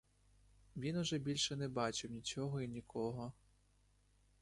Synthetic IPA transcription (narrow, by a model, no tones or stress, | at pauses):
ʋʲinʊʒɛbʲilʲʃɛnɛbɑt͡ʃɪwnʲit͡ʃɔɦɔinʲikʰɔɦɔ